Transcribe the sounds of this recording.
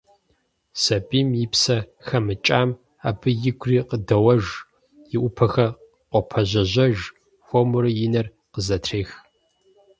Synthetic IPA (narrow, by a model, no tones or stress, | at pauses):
sɐpʼiːmjɪpsɐxɐmɨt͡ʃʼaːm | a̰ːbɨjɪɡʷʰriːqədɐwɐʒ | jɪʔʷʊpʰɐxɐ | qʷɔpʰɐʑɐʑɐʒ | xʷɔmʊɾɨjɪnɐr | qəzɐtʰreːx